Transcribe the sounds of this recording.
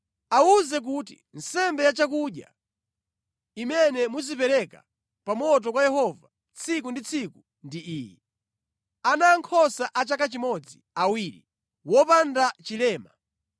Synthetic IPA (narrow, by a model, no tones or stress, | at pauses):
auzɛk̬uːtḭn̩sɛmbɛjat͡ʃak̬uɗja̰ | imɛnɛmuzipɛɾɛka̰ | pamɔt̬ɔkwajɛhɔva | t͡sʰik̬undit͡sʰiku | ndiʔiːjɛ | anaːŋkʰɔsaʔat͡ʃakat͡ʃimɔd͡zi | awiɾḭ | wɔpandat͡ʃilɛːma